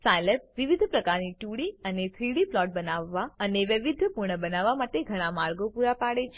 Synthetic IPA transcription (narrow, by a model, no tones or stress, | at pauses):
sajlep̚ʋiʋid̪ʱpɾəkaɾniʈuɽiənet̪ʰɾiɽiplɔʈ̚bənaʋːaəneʋəʋid̪ʱːəpuɾɳəbənaʋːamaʈeɡʱəɽ̃ãmaɾɡopuɾapaɽet͡ʃʰ